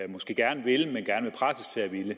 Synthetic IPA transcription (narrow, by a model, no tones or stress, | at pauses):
mɒ̽sɡ̥e̝̰ːɡ̥æɐnəʋeləmenɡ̥æɐnəʋe̝pʰʁasəst͡sʰe̝æʋilə